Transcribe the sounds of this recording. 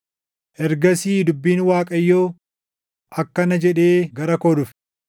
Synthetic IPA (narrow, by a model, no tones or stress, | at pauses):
ʔɛɾɡɐsiːd̪ʊbːiːnwaːkʼɐjːoː | ɐkːɐnɐd͡ʒɛᶑe̞ːɡɐɾɐkoːd̪ʊf